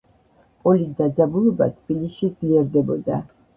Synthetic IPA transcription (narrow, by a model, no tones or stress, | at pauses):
pʼɔlid̪ad̪zabulɔba̰t̪ʰb̥iliʃid̪zliɛɾd̪ɛbɔd̪a